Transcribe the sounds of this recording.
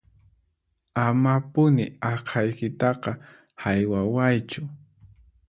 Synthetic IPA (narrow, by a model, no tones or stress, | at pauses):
amapʊnɪ̰ɑqʰɑjkɪt̪ɑqɑ | hajwawajt͡ʃʊ